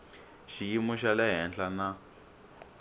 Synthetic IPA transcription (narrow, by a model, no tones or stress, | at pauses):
ʃijimuʃalɛɦɛnɬana